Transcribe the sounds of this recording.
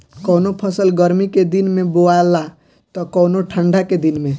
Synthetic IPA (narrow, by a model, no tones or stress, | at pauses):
kɔnopʰəsəlɡəɾmiked̪inmeboaelːa | t̪ɔkɔwnoʈʰəɳɖaked̪inmẽ